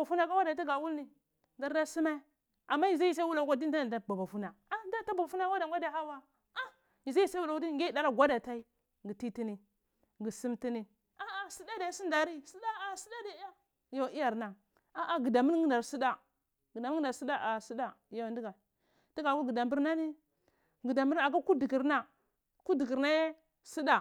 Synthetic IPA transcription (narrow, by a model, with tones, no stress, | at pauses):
ba˨fu˦na˨ka˦wa˦da˨˦ti˦ɡa˨wu˦lni˨ | da˨ɾda˦si˦ma˦ | a˨mːa˦ji˨za˦ji˦sa˦wu˦la˨ka˦di˦n˦da˦na˨da˨ba˨ba˨fu˦na˨ | a˦da˦ta˦ba˨ba˨fu˦na˦wa˦da˨ŋ˦ɡʷa˦da˨˦ha˦wa˦ | a˦ | i˨za˦i˦swu˦la˨u˦i˦˨ŋ˦e˦da˦ɾa˦ɡʷa˦da˨ta˦i˦ | ɡi˨ti˦ti˦ni˨ | ɡi˨si˦mti˦ni˨ | a˦a˦si˦da˦da˨˦si˦nda˨ɾi˦si˦da˦a˨si˦da˦da˨˦ja˦˨ | jo˨i˦ja˨ɾna˨ | a˨ʔa˦ɡi˨da˨mi˦n˦ɡi˦nda˨ɾsi˦da˦ | ɡi˨dm˦da˨˦si˦da˦ʔa˨si˦da˦˨jo˨ndi˦ɡa˨ | ti˦ɡa˨ku˦ɡi˨da˨mbi˦ɾna˦ni˦ | ɡi˨da˨mbi˦ɾa˨ka˦ku˦di˨ɡi˨ɾna˦ | ku˦di˨ɡi˨ɾna˦je˦ | si˦da˨